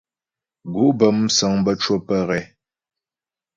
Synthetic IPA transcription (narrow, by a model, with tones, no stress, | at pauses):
ɡu˨˦ʔbə˨msa˨ŋbə˦t͡ʃwo˦pə˦ɣɛ˨